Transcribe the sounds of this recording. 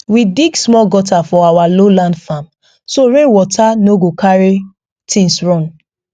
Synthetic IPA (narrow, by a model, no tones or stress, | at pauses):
wibiɡsmɔɡɔtafɔawalolãndfãm | soɹẽwɔtʰanoɡokʰaɹi | tʰĩnsɹɔ̃n